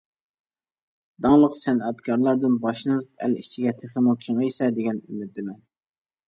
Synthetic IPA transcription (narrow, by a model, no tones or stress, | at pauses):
d̪ɑŋlˠəqsɛnɑt̪kʰɑɾlˠɑɾd̪ɨnbɑʃlˠɨnɨp̚æ̰lḭt͡ʃʰiɡʲɛt̪ʰeχəmukʲʰeŋɨjsɛd̪eɡʲɛnymyt̪̚d̪ɪmɛn